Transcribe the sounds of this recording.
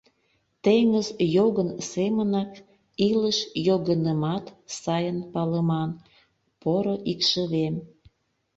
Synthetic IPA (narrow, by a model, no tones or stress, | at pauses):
t̪eŋəzjoɣənsemənɑk | iləʃjoɣənəmɑt̪sɑjənpɑləmɑn | poɾoʔikʃəβem